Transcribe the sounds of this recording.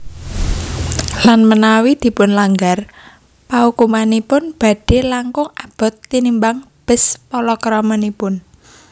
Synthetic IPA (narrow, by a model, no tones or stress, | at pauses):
lanmənawid̪̥i̤pʊnlaŋɡar | paukumanipʊnb̥a̤ɖ̥e̤laŋkʊŋab̥ɔ̤t̪ːinimbaŋ | b̥ə̤spɔlɔkɾɔmənipʊn